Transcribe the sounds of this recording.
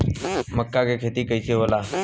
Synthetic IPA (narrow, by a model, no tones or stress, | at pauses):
məkːaːkeːkʰeːt̪iːkəiːsʰeːɦoːlaː